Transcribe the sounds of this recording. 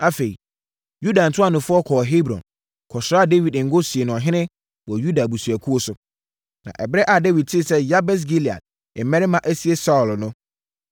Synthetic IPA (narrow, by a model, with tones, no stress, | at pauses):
a˦fe˨i˨ | ju˦dã˨n̩˨tʰʊ˦a˦˨nʊ̃˨fʊ˦ɔ˦kʰɔː˨ɦe˦bɾɔ̰̃˨n | kʰɔ˨sʊ˨ɾa˦˨de˦wi˨dŋ̩˦ɡʊ˦si˨e˨nʊ̃˨ɔ˨ɦɪ̃˦nɪ̃˦ | wɔ˨ju˦da˨bu˨su˨æ˨kʰu˦o˦sʊ˨ | nã̰˨ʔɛ˨bɾɛ˦ʔa˨de˦wi˨d̚tʰɪ˦˨sɛ˦ja˦bɛ˦s̬ɡi˦li˨a̰˨d̚ | ɛ˨mɛ̃˦ɾɪ˦mã˦ʔæ˦si˦e˦sa˦ʊ˨lnʊ̃˦